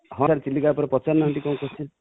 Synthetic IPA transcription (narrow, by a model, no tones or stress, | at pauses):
ɦɔ̃aɾt͡ʃiliɡapɔɾɔpɔt͡ʃaɾnːaɦɔɳʈikɔũkɔt͡ʃʰin